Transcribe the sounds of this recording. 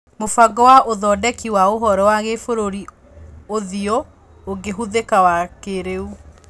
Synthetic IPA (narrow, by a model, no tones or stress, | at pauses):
mofaɡɔwaʔoðɔdɛkiwaoɦɔɾɔwaɣefoɾoɾi | oðio | oɡeɦuðekawakeɾeu